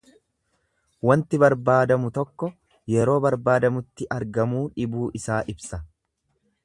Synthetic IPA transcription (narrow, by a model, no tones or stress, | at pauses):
wɐnt̪ɪbɐɾbaːd̪ɐmʊt̪ɔkːɔ | jɛɾo̞ːbɐɾbaːd̪ɐmʊt̪ːɪʔɐɾɡɐmuːᶑɪbuːʔɪsaːʔɪbsɐ